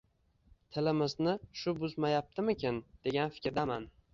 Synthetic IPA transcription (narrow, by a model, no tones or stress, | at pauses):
t̪ʰɪlɪmɪznɪʃʊbʊzmajap̚t̪ʰɪmɪkʲʰɪnd̪̥e̞ɡʲanfɪ̥kʲɾd̪aman